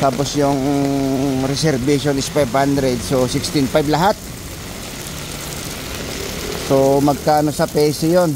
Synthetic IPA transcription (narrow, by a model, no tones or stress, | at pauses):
t̪aːposjʊŋ | ɾɛsɛɾbiʃonɪspajbhand̪ɾɛd̪̚sosɪkst̪ɪnfajblɐɦat̪̚ | somɐɡ̚kaːnosɐpɛːsɪjon